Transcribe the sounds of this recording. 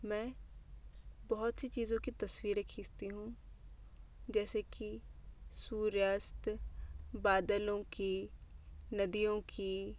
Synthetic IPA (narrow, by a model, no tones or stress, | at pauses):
mɛ̃ː | bɐɦʊt̪sit͡ʃiːzõkit̪ɐswiːɾekʰiːst̪iɦũ | d͡ʒɛːsekisuːɾjaːst̪ | baːd̪əlõki | nɐd̪ijõki